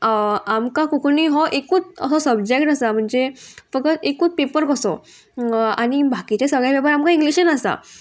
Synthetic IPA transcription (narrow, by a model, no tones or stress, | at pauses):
amkakukoniɦɔʔekuːt͡səsɔsəb̚d͡ʑek̚ʈasam̤əɳd͡zefək̚ət̪ekuːt͡spepəɾkəsɔ̰ | a̰ñibʱakit͡ɕesəɡɭjabɛbaɾamkaiŋɡliɕənasa̰